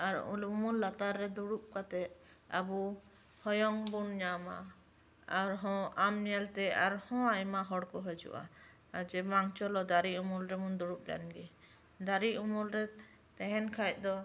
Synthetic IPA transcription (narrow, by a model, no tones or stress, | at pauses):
aɾṵlumulːat̪aɾːɛd̪uɽup̚kat̪ɛ | a̰bu | hɔjɔŋbuɳɲama̰ | aɾɦɔ̃amɲɛlt̪ɛaɾhɔ̃ajmaɦɔɽkɔɦɔd͡ʒṵʔa̰ | ad͡ʒɛmaŋt͡ʃɔlɔd̪aɾiumulɾɛmund̪uɽup̚la̰nɡɛ | d̪aɾiumulɾɛ | t̪ɛ̃ɦɛnkʰajt̪̚ˀd̪ɔ